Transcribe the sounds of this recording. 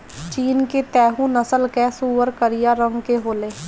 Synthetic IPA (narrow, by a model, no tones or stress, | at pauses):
t͡ʃiːnket̪ɛːɦũnəsəlkɛːsuːʋəɾkəɾijaːɾə̃ŋɡkeɦoːleː